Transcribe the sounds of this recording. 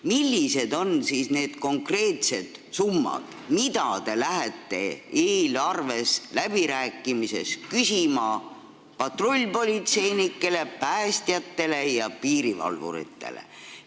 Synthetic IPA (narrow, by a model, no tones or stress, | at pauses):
milʲːise̞d̪o̞nsisne̞ːd̪̥ko̞ŋkre̞ːt̪se̞d̪̥sumːɑ̰d̪̥mid̪̥ɑt̪e̞læɦet̪ːˑe̞̰eːlɑrve̞slæb̥iɾæːkːˑimise̞̰skysʲimɑ | pɑt̪ro̞lʲːpo̞lʲit̪se̞jnikːˑe̞le̞pæːst̪jɑt̪ːe̞le̞jɑpiːɾivɑ̰lvṵɾḭt̪ːe̞̰lḛ